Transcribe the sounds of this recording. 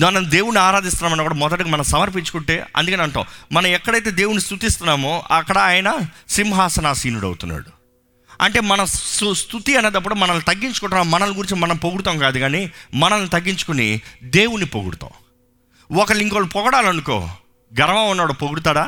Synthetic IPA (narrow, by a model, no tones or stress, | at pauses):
mɐnɐmd̪e̞ːwuniaːɾaːd̪ist̪unːaːmɐnːɐkuːɽaːmɔd̪ɐʈɡamɐnɐmsɐmɐɾp̬iɲt͡ʃu̥kuɳʈe̞̰ːɐ̰nd̪ukɐneɐɳʈɐ̰w̃mɐnɐ̃mɛkːɐɽɐjt̪eːd̪eːwunist̪ut̪ist̪unːaːmoɐkːɐɽɐaːjɐnɐsimɦaːsɐnaːsiːnuɽɐ̰wt̪unːa̰ːɽu | ɐ̰ɳʈe̞ːmɐnɐust̪ʰut̪iɐnːeːd̪ɐp̬ːuɽumɐnɐlnːit̪ɐɡːiɲt͡ʃu̥kuɳʈːunːaːmmɐnɐluɡuɾiɲt͡ʃimɐnɐmpoɡuɽut̪̬aːmkaːd̪uɡaːnimɐnɐlnit̪ɐɡːiɲt͡ʃu̥kunid̪e̞ːwunːipoɡṵɽt̪ã̰ːw | ɔkɐɭiŋkolːupɔɡɐɽaːlɐnuko̰ː | ɡɐɾɐʋaːunːaːɽoːpoɡuɽut̪aːɽaː